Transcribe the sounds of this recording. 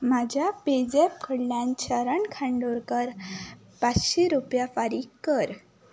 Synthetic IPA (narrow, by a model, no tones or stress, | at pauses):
mad͡ʑʱjaped͡zepʰəɽljãnt͡ɕʰəɾəɳkʰãɳɖoɾkəɾ | pat͡sɕiɾupjafaɾiːkːəɾ